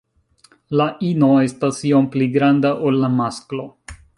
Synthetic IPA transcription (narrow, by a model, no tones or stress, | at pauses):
laʔino̞e̞stasio̞mpliɡɾandaʔolːamasklo̞